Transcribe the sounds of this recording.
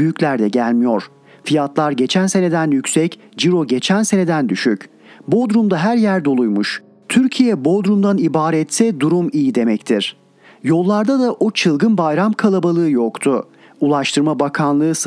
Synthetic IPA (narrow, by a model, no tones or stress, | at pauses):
yjyclʲæɾd̪ɛɟælʲmijo̞ɾ̥ | fijat̪lˠaɾɟe̞t͡ʃʰænse̞ne̞d̪ænjycʲsɛc | d͡ʒiɾo̞ɟe̞t͡ʃʰænse̞ne̞d̪ænd̪yʃyc | bo̞d̪ɾumd̪aɦæɾjæɾd̪o̞lˠujmuʃ | t̪ʰyɾcʰijɛbo̞d̪ɾumd̪anibaːɾɛt̪sɛd̪uɾumijid̪e̞mɛct̪ʰiɾ̥ | jo̞lˠːaɾd̪ad̪aʔot͡ʃʰɯlˠɡɯnbajɾamkʰalˠabalˠɯːjokt̪ʰʊ | ulˠaʃt̪ʰɯɾmabakʰanlˠɯːs